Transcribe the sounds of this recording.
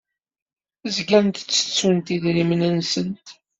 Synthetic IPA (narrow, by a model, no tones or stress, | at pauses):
zɡæɾnt̪t͡sːə̥t͡sːunt̪iðɾimnənsənt̪